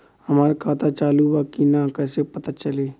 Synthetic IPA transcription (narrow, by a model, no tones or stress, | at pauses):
hɐmaːɾekʰaːt̪ʰat͡ʃaːlubakinãkɛːsepɐt̪at͡ʃɐleː